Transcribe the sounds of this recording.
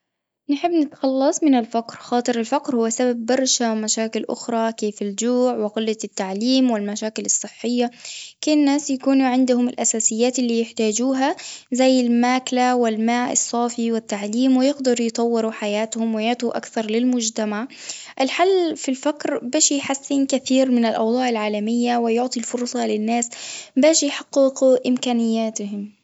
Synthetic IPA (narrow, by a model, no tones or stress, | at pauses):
nħɪbːnɪt̪xɑlːɑsˤmɪnɪlfaqɾxɑːt̪ˤɨɾɪlfaqɾhʊwːasababːɑɾˤʃamaʃaːkɪlʔʊ̰xɾˤɑkeːfɪld͡ʒuːʕwɪɣɪlːat̪ːaʕliːmwɪlmaʃaːkɪlɨsˤːɨħːɪjːakeːnːaːsjakuːnuʕɪnd̪ʊhʊmɪlʔasaːsɪjːaːt̪ɪlːiːjɪħt̪aːd͡ʒuːɦazajːɪlmaːklawɪlmaːʔɨ̰sˤːɑːfiwɪt̪ːaʕliːmwɪjɪɡd̪ɑɾˤjt̪ˤɑwːɪɾuħajaːt̪hʊmwɪjaʕt̪uʔa̰kθɑɾˤlɪlmʊd͡ʒt̪amaʕʔɪlħalːfilfakɾbaːʃijħasːiːnkaθiːɾmɪnɪlʔɑ̰wd̪ˤɑːʕɪlʕaːlamɪjːawɪjʊʕt̪ˤilfʊɾsˤɑlɪnːaːsbaːʃijħaqːɪqʔɪmkaːnɪjːaːt̪ɪhɪm